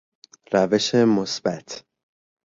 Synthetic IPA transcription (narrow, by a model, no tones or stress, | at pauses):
ɾæve̞ʃemosb̥æt̪ʰ